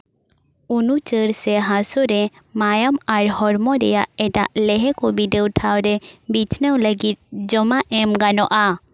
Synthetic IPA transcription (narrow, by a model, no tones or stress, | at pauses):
unut͡ʃəɾsɛɦasɔɾɛ | majamaɾhɔɾmɔɾɛjaʔɛʈa̰ʔlɛɦɛkɔbiɖəwʈʰawɾɛbit͡ʃnəwləɡit̪̚d͡ʒɔmaʔɛmɡanɔʔa